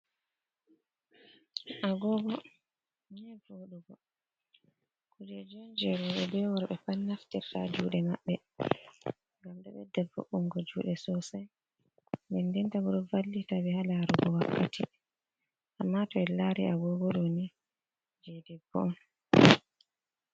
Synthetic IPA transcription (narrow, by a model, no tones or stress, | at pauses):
ʔaɡɔɡɔ | nɛvoɗuɡɔ | kud͡ʒɛd͡ʒɔnd͡ʒɛɾɔɓɛbɛwaɾɓɛpanːaftiɾta̰d͡ʒṵɗɛmaɓːɛ | ŋɡamɗa̰ɓɛdɛbo̰ʔːuŋɡɔd͡ʒuɗɛsɔsaj | ɓɛndɛntaɡɔɗɔvalːitaɓɛhalaɾuɡɔwakːatʰi | ʔamːatɔɛlaɾiʔaɡɔɡɔɗoni | d͡ʒɛdɛbɔ̰n